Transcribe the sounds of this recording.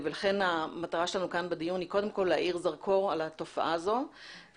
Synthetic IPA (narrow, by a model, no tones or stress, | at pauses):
velaχe̞namat̪aʁaʃelanukanbad̪ijunhiko̞d̪e̞mko̞lːeaʔiʁzaʁkʰo̞ʁalat̪o̞fa̰ʔazo̞